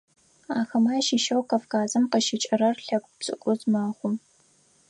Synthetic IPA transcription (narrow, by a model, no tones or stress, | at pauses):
aːxɐmaːʃiʃɐwkɐfkaːzɐmqəʃɪt͡ʃʼɐɾɐrɬɐkʷʼpt͡sʼɨ̰kʷʼʊzmaːχʷʊm